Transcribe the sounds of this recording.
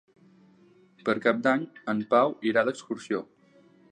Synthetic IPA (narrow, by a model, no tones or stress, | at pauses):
pəɾkap̚d̪aɲəmpawiɾaðəkskuɾsio